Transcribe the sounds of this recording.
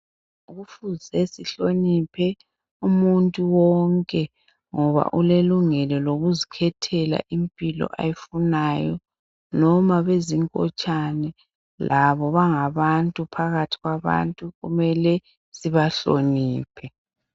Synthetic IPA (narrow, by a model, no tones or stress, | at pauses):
uɣufuzɛsiɬonipʰɛ | umuntʼuwɔŋkʼɛ | ŋɔβa̰ʔuleluŋɛlɔloɣuzikʰɛtʰɛla̰ʔimpʼilɔ̰ʔa̰jifunajɔ | nɔmaβeziŋkʼɔ̰t͡ʃʼanɛ | lʔaβɔβaŋaβantʼupʰaɣatʰi̥ɣwaβa̰ntʼuɣumɛlɛ | siβaɬo̰niːpʰɛ